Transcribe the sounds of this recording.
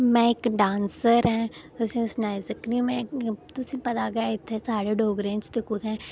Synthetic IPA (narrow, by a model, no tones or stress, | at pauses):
mɛ̃ːɪkɖãːnsəɾɦɛ̃ːt̪ʊsĩːsnaːɪzəknimɛ̃t̪ʊsĩːpɐt̪aːɡəjaɪt̪ʰːɛːsaːɽeːɖoːɡɾẽːt͡ʃt̪ɪkʊt̪ʰɛ̃ː